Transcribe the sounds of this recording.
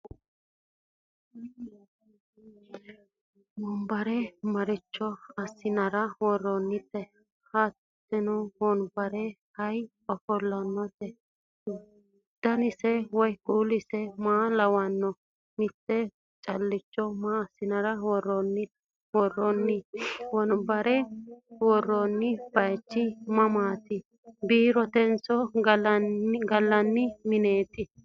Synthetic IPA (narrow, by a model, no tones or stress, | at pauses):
wɔnbɐɾɛmɐɾɪt͡ʃːɔɐsːɪnɐɾɐwɔrːɔnːɪt̪ːɛ | hatː | ɛnɔwɔnbɐɾɛhɐj | ɔfɔlːɐnːɔt̪ɛ | d̪̥ɐnɪsɛwɔjkʼuːlɪsɛmaːlɐwɐnːɔ | mɪt̪ːɛ | t͡ʃʼɐlːɪt͡ʃːɔmasɪnɐɾɐwɔrːɔnːɪ | wɔrːɔnːɪwɔnbɐɾɛwɔrːonːɪb̥ɐjt͡ʃːɪmɐmaːt̪ɪ | biːɾɔt̪ɛnsɔɡɐnɡɐlːɐnːɪmɪne̞ːt̪ɪ